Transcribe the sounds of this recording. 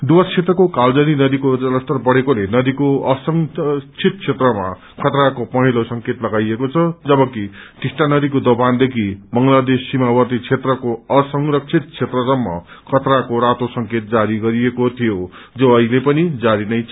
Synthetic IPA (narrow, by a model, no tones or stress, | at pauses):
ɖ̪uwʌst͡sʰet̪rʌkokald͡zʌninʌd̪ikoʌlʌst̪ʌrbʌɽekolenʌd̪ikoʌsʌŋt͡sʰit̪̚t͡sʰet̪rʌma̰ | kʰʌt̪ɾakopʌɦilosʌŋket̪lʌɡajekot͡sʰʌd͡zʌbʌkiʈ̪isʈanʌd̪ikod̪oband̪ekʰibʌŋlad̪esːimabʌrt̪it͡sʰet̪rʌkoʌsʌŋrʌk̚sʰit̪̚t͡sʰet̪rʌsʌmːʌ̰ | kʰʌt̪ɾakoɾat̪osʌŋket̪̚d͡zaɾiɡʌɾijekot̪ʰijo | d͡zoʌilepʌnid͡zaɾinʌj